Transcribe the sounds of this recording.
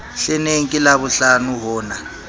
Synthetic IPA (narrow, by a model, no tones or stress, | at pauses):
ɬɛneŋkʼilaβuɬanuɦɔːna